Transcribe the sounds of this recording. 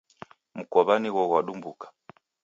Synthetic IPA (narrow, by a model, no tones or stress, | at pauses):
m̩kɔβaniɣɔɣwaɗumbukḁ